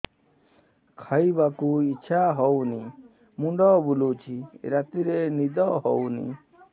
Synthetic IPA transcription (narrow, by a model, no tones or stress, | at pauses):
kʰaibakuit͡ʃʰaɦɔwni | muɳɖɔːbulut͡ʃʰiɾat̪iɾenid̪ɔɦɔwnḭ